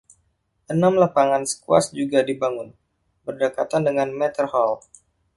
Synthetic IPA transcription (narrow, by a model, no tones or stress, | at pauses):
ʔənamlapaŋansə̥kua̰sd͡ʒuɡadibaŋʊn | bərdəkat̪andəŋanmɛt̪ərhɔl